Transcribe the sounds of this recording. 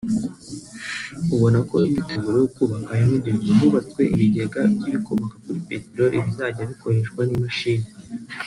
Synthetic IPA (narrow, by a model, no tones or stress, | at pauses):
uβo̞nako̞imiteɡuɾojokuβakaimiɟeŋɡoɦuβat͡swe̞ʔiβiɟeɡabɟiβikʰoβakakuɾipetiɾoɾʔiβizaɟaβiko̞ɾe̞ʃkwanimiʃiːɲe